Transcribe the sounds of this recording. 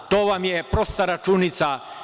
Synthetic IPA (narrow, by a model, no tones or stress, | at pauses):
t̪oːʋamjepɾost̪aɾat͡ʃunit̪sa